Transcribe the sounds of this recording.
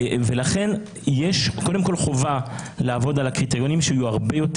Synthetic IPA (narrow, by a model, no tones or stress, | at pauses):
velaχe̞n | jeʃko̞de̞mko̞lχo̞va | leavo̞dalakʁit̪ejo̞nimʃeijuaʁbejo̞t